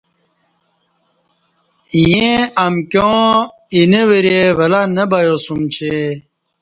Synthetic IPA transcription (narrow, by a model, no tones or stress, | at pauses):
jẽɐmkjõː | ineweɾevɐlanɐbajosumt͡ɕʰe